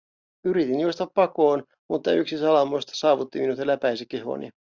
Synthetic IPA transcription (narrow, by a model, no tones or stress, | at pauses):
yɾit̪injuost̪ɑpːɑkoːn | mut̪ːɑyksisɑlɑmost̪ɑ̥sɑːʋut̪ːiminut̪elːæpæjsekːe̞ɦo̰ːnḭ